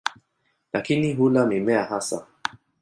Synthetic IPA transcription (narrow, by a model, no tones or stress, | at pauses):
lakiniɦulamimɛaɦasa